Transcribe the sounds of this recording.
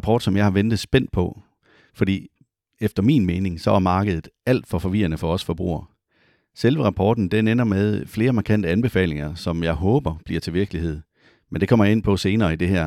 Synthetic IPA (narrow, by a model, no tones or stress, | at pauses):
pʰɒːd̥sɒ̽mjɑ̈ɪhɑ̈ʋend̥ð̞̩ˠsb̥en̰d̥̚pʰɒ̽ | fɒd̥ḭː | efd̥ɐmḭnmeːne̝ŋsɒ̽æɐmɑ̈ːɡ̥əðˠð̩ˠæl̰d̥fɒ̽fɒ̽ʋiɐnəfɒ̽ɒ̽sfɒ̽b̥ʁṵːɐ | selʋəʁɑ̈pʰɒːd̥n̩d̥enenɐmeð̞ˠfle̝ːɐmɑ̈kʰæn̰d̥əænb̥e̝fɛ̰ːle̝ŋɐsɒ̽mjɑ̈ɪɦɔ̽ːb̥ɐb̥liɐt͡sʰe̝ʋiɐɡ̥əlihe̝ð̰ˠ | mend̥e̝kʰɒ̽m̰ɐje̝n̰pʰɒ̽se̝ːnɐːid̥e̝hæɐ̰